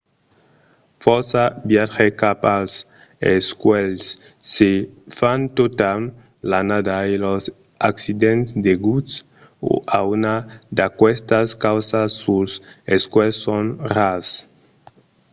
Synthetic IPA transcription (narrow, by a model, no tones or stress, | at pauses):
fɔɾsabjaxekapals | eskwelsː | efant̪ot̪al | lanad̪ailos | aksid̪ẽnsd̪eɡuts | o̰ʔaunad̪akwɛst̪askawsasːuseskwɛlsõnras